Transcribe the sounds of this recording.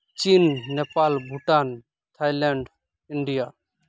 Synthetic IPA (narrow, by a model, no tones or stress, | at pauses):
t͡ʃiːnːepaːlbʱuʈaːn | t̪ʰaːjlɛɳɖ | ɪɳɖijaː